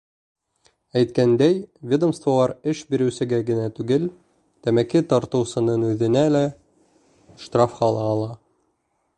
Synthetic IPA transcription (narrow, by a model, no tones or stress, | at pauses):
æjt̪kænd̪æjvʲed̪ŏmst̪volˠɑɾɘʃbiɾɘ̆wsɘ̆ɡæɡɘ̆næt̪ʉɡɘl | t̪æmækit̪ɒɾt̪ɤ̆wsɤ̆nɤnʉðɘ̆nælæ | ʃt̪rafχɑlˠɑːlˠɑ